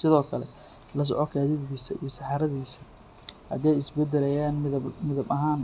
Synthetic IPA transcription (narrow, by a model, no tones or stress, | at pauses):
sɪðɔːkʰɐlɛ̰ | lɐs̬ɔʕɔkʰaːðɪβɣiːsɐḭjɞsɑħɑɾɐðiːsɐ | hɐ̰d̪ɛjɪsbɛd̪ɛlɛjaːnmɪðɐbmɪðɐbɐɦaːn